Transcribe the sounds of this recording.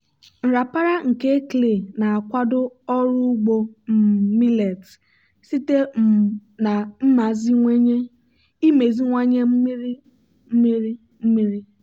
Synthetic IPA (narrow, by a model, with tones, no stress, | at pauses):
n̩˨ɾa˨pa˦ɾa˦ŋ̩˨ke˦kle˨na˨a˨kʷa˦dʊ˦ɔ˦ɾu˦ɡ͡bo˨m̩˨mi˦le˨t | si˦te˦ | na˨m̩˦ma˨zi˦ŋʷe˦ɲe˦ | i˦me˨zi˦ŋʷa˦ɲe˦m̩˦mi˦ɾi˦ | m̩˦mi˦ɾi˦ | m̩˦mi˦ɾi˦